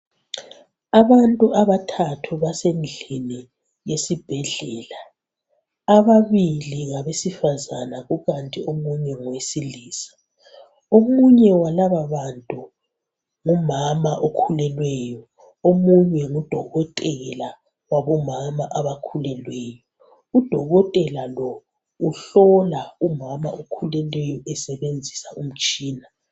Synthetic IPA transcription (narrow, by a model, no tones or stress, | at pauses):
aβantʼuʔaβatʰatʰuβasend͡ɮʱini | jesib̥ʱɛɮɛːlaː | βaβiliŋaβesifazanaɣuɣantʼiomuɲɛŋɔwesiliːsḁ | omuɲɛwalaβaβantʼu | ŋumamaʔokʰulɛlwɛːjɔ | omuɲɛŋud̥ʱɔɣɔtʼɛɣɛla | waβɔmamaʔaβakʰulɛlwɛːjɔ | ud̥ʱɔɣɔtʼɛlalɔ | uɬɔlaumama̰ʔokʰulɛlwɛjɔʔɛsɛβend͡zʱisaʔum̩t͡ʃʼiːna